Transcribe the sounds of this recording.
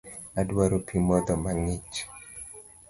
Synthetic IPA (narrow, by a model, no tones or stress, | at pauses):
adwaɾopʰimɔd̪ɔmaŋit͡ʃ